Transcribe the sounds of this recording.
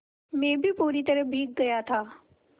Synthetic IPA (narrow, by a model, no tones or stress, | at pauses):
mẽːbʱipuːɾit̪əɾəbʱiːk̚ɡɐjat̪ʰaː